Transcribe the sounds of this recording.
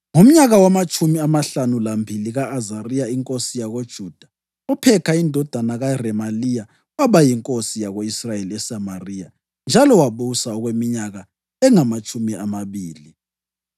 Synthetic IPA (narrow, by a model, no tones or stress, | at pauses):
ŋom̩ɲaɣawamat͡ʃʼumiamaɬanulambʱiliɣaːzarijaiŋkʼosijaɣod̥ʒ̥ʱud̥ʱḁ | ɔpʰɛkʰaindʱɔd̥ʱanaɣarɛmalija | aβajiŋkʼosijaɣoisrajeliɛsamarija | nd͡ʒʱalɔwaβusaɔɣwemiɲaɣa | ɛŋamat͡ʃʼumiamaβiːli